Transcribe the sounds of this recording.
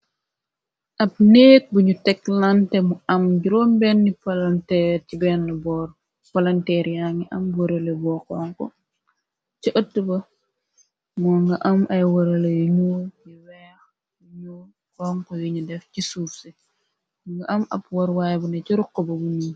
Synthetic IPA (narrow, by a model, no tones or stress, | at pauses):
ʔɐp̚neːk̚buɲutɛklantɛmuɐmɟuɾɔːmbɛnːipɐlɐntɛɾcibɛnːbɔ | pɐlɐntɛːɾjaŋiʔɐmbwɐɾɐlɐbɔːkɔːŋkɔ̰ | t͡ʃiʔətːubɐ | mɔŋɡɐʔɐmɐjwɐɾɐlɐjuɲoːjiwɛːx | juɲu | kɔːŋkɔjuɲudɛfcisuːfsɛ | ŋɡɐʔɐmɐ̰pwɐɾwaːjbunɐciɾukːɔbɐbuniː